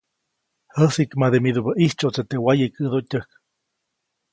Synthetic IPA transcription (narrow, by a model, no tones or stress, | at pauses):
həsikmad̪emid̪ubəʔiht͡ʃoʔt͡set̪ewajəkɨd̪otʲəhk